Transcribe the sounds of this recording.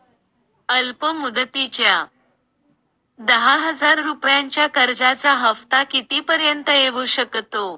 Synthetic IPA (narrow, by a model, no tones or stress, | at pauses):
əlpəmud̪t̪it͡ɕja | d̪əɦaɦəd͡zaɾɾupjaɲt͡ɕjakəɾd͡zat͡saɦəft̪akit̪iːpəɾjənt̪əeʋuɕəkt̪o